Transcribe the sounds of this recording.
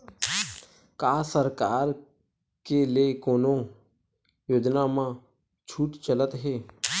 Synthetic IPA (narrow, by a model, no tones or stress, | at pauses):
kaːsəɾkaːɾ | keleːkoːno | joːd͡ʒnaːmã | t͡ʃʰuːʈt͡ʃələt̪ɦeː